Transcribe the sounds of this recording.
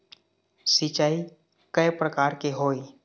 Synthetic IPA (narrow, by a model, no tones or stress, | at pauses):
sɪt͡ʃaːi | kəepɾəkaːɾkeɦoːi